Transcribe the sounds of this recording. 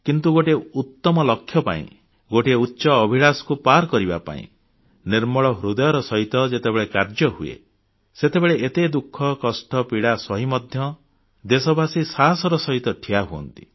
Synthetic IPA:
kint̪uɡoʈeut̪ːɔmɔlɔkʰːjɔpa̰ḭ̃ | ɡoʈeutːʃɔːbʱiɽ̃asɔ̥kupaɾkɔɾiba̰pa̰ḭ̃ | niɾmɔɭɔɦɾud̪ɔjɔɾɔsɔɦit̪ɔd͡ʒet̪ebeɭekaɾd͡ʒɔɦuḛ | set̪ebeɭeʔet̪ed̪ukʰːɔkɔsʈɔpiɽasɔɦimɔd̪ʱjɔ | d̪esɔbʱasisasɔɾɔsɔɦit̪ɔʈʰiaɦuɔ̰nt̪i̥

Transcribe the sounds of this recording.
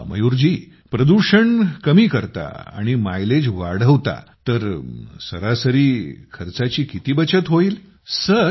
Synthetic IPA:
mə̰juɾd͡ʑiː | pɾəd̪uɾɕəɳkəmiːkəɾt̪a̰a̰ɽ̃imajled͡ʑʋaɽ̤əʋt̪a̰t̪əɾsəɾasəɾiːkʰəɾt͡sat͡ɕiːkit̪iːbət͡ɕət̪ɦoiːl | sə

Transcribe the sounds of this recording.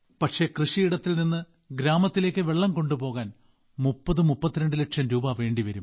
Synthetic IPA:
pɐʈʂe̞krɨʂijiɽɐt̪ːilninːɨ | ɡɾaːmɐt̪ːileːkʲːɨʋe̞ɭːɐmko̞ɳɖupo̞ːɣaːn | mupːɐðɨmupːɐt̪ːiɾeɳɖɨleʈʂɐmɾuːbɐʋe̞ːɳɖiʋɐɾum

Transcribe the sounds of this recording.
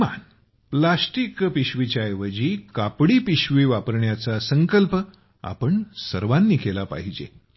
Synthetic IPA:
ma̰n | plasʈikpiɕʋit͡ɕajʋəd͡ʑiːkapɽiːpiɕʋiːʋapəɾɳjat͡sasəŋkəlp | a̰pəɳsəɾʋanːiːkelapa̰ɦid͡ʑḛ

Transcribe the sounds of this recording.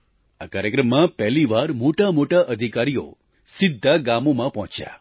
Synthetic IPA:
akaɾjəkɾəmːãpɛɦliʋaɾmoʈamoʈaʔəd̪ʱikaɾijo̰ | sɪd̪ʱːaɡamomãpɔɦɔ̃t͡ʃja̰

